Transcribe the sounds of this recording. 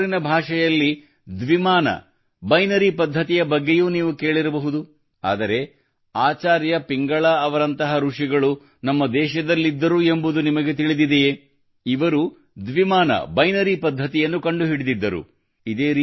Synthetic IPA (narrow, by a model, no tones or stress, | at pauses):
ɾinɐbʱaːʂɐjɐlːi | d̪ʋimaːnɐ̰ | bɐjnɐɾipɐd̪ʱːɐt̪ijɐbɐɡːe̞juːniːʋuke̞ːɭiɾɐbɐɦud̪u | a̰ːd̪ɐɾe̞ | aːt͡ʃaːɾjɐpiŋɡɐɭaːɐʋɐɾɐnt̪ɐɦɐɾuʂiɡɐɭu | nɐmːɐd̪ɛːʃɐd̪ɐlːid̪ːɐɾue̞mbud̪unimɐɡe̞t̪iɭid̪id̪ej | iʋɐɾu | d̪ʋimaːnɐ̰bɐjnɐɾipɐd̪ʱːɐt̪ijɐnːukɐɳɖuɦiɽid̪id̪ːɐɾṵ | id̪eːɾiː